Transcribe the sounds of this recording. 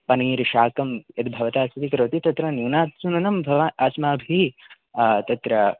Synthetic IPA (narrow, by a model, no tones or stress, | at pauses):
pɐnɐiːɾiʃaːkɐmjɐt̪bʱɐʋɐt̪aːsɐt̪ikɐɾʋɐt̪it̪ɐt̪ɾɐnjuːnaːt̪sunɐnɐmbʱɐʋaaːsmaːbʱi | t̪ɐt̪ɾɐ